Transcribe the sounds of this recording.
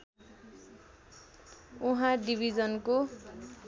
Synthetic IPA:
uɦãɖibʱid͡zʌnko

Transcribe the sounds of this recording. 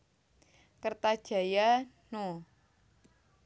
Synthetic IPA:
kərt̪ad̥ʒ̥a̤jano

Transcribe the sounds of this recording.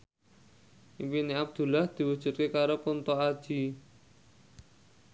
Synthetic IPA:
ʔipineab̚d̪̥ṳlahd̪̥i̤wud̥ʒ̥ṳt̪̚kekaɾopunt̪ɔad̥ʒ̥i̤

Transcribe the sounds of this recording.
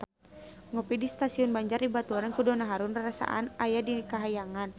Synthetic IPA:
ŋɔpidist̪asiɔnbaɲd͡ʒardibat̪uɾankudɔnaɦaɾunrasa̰ʔa̰najadikaɦajaŋan

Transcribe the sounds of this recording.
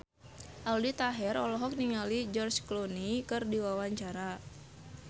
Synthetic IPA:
ʔaldit̪aɦɛrɔlɔɦɔk̚niŋalid͡ʒɔrt͡ʃklonikɨrdiwawaɲt͡ʃaɾa

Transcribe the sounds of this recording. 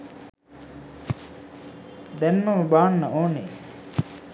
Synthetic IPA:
d̪ɛnmɐməbaːnːɐoːne

